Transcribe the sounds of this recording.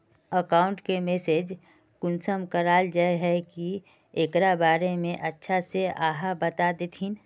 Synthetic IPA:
əkaːʊ̃ɳʈkemeseːd͡ʒ | kʊnsəmkəɾaːld͡ʒaeɦɛki | ekɾabaːɾemẽʔətːʃʰaseʔaːɦabət̪ad̪et̪ʰin

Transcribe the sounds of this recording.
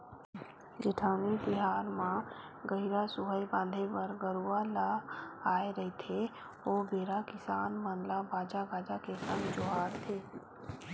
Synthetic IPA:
d͡ʒɪʈʰaːnibɪɦaːɾmã | ɡəiɾasʊɦəjbãːnd̪ʱepɐɾɡəɾuːalaaːeɾɐɦit̪ʰe | oːbeːɾakɪsaːnmãːnlabaːd͡ʒaɡaːd͡ʒakekɐmd͡ʒoɦaːɾt̪ʰeː

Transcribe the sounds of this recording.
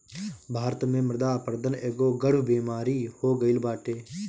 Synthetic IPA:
bʱaːɾət̪mẽːmɪɾd̪aːpəɾd̪əneːɡoːɡəɽʋbeːmaːɾiːhoːɡəɪlbaːʈeː

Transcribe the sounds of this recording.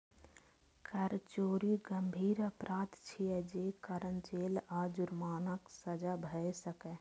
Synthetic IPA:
kʰəɾt͡ʃoːɾiɡəmbʱiːɾəpɾʔaːt̪t͡ʃʰiɛd͡ʒeːkəɾənt͡ʃeːlaːd͡ʒʊɾmaːnəksəd͡ʒabʱəsəkɛ

